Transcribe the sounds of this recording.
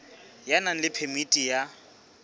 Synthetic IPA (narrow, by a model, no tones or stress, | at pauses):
janan̩lɪpʰemitʼija